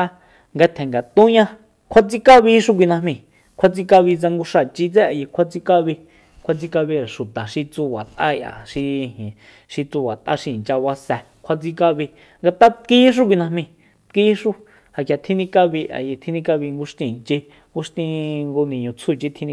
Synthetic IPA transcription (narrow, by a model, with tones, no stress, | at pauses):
a˧ | ŋɡa˧t̪ʰɛ̃˨ŋɡa˨t̪ũ˦ɲã˦ | kʰʷa˧t͡si˧ka˦βi˧˦ʃu˦k̬ʷi˧nã˧hmĩ˧ | kʷʰa˧t͡si˧ka˧βi˧t͡sa˧ŋɡu˧ʂa˧˨t͡ʃi˧t͡sɛ˦a˨je˧kʷʰa˧t͡si˧ka˦βi˧ | kʷʰa˧t͡si˧ka˧βi˧ɾa˨ʃu˨t̪a˨ʃi˧t͡su˧βa˨t̪ʼʔa˦˧ja̰˨ʃi˧hẽ˨ | ʃi˧t͡su˧βa˨t̪ʔa̰˦ʃi˧˨t͡ʃa˧βa˧sɛ˧ | kʷʰa˧t͡si˧ka˧βi˧ | ŋɡa˧t̪a˦t̪kiː˦ʃ̬u˦k̬ʷi˧nã˧mĩ˧ | t̪kiː˦ʃu˦ | ha˨kja˨t̪ʰi˦nĩ˧ka˦˧βi˧ʔa̰˨je˧t̪ʰi˧nĩ˧ka˧βi˧ŋɡu˧ʂt̪ĩ˧˨nt͡ʃe˧ | ŋɡu˧ʃt̪ĩ˧ŋɡo˧nĩ˨ɲũ˧t͡sʰu˦˧t͡ʃi˦t̪ʰi˧nĩ˧